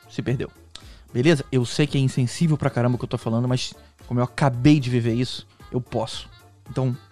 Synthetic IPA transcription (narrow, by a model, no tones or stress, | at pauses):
sɪpehd̪ḛw | belezɐewsejkɪɛĩsẽsivewpɾɐkaɾɐ̃bɐkewt̪ofalɐ̃nd̪ʊmɐs | kʷõmʊewakabejd͡ʒɪviveɾisʊ̥ewpɔsʊ̥ | ẽnt̪ɐ̃w̃